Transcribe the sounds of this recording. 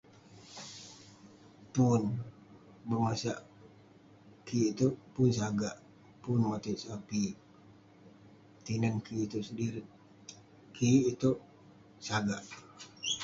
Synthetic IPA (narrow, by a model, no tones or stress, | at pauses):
pun | bəmasaʔ | kʰiːt̪upunsaɡaʔ | punmat̪iʔsapi | t̪inankiːt̪usədiɾi | kʰiːt̪o | saɡaʔ